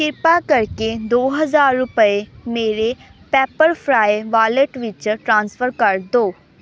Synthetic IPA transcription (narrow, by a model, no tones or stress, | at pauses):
kɪɾpakəɾked̪oːɦəzaːɾːʊpəemeːɾepɛːpəɾpʰɾaːeʋaːləʈʋɪt͡ʃʈɾãːnsfʰəɾkəɾd̪oː